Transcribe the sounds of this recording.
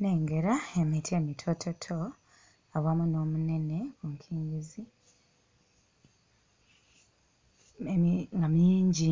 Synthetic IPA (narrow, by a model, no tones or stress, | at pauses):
ne̞ːŋɡe̞ɾaemitʰie̞mitʰotʰotʰo | awamuno̞ːmune̞ne̞kuŋkʰiːŋɡizi | eŋɡamiːɲɟi